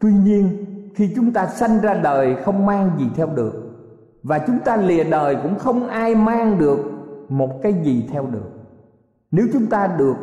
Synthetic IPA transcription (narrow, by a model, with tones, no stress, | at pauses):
t̪wi˧ɲi˧ənxi˧t͡ɕʊ˨˦ŋ͡mt̪aː˧sa˧jŋ̟zaː˧ɗəː˨˩jxə˧wŋ͡mmaː˧ŋzi˨˩t̪ʰɛ˧wɗɨ˨˩ək̚ | vaː˨˩t͡ɕʊ˨˦ŋ͡mt̪aː˧li˨˩əɗəː˨˩jkʊ̰˧˥ŋ͡mxə˧wŋ͡mʔaː˧jmaː˧ŋɗɨ˨˩ək̚mo˨˩t̚kaː˨˦jzi˨˩t̪ʰɛ˧wɗɨ˨˩ək̚ | ne˨˦wt͡ɕʊ˨˦ŋ͡mt̪aː˧ɗɨ˨˩ək̚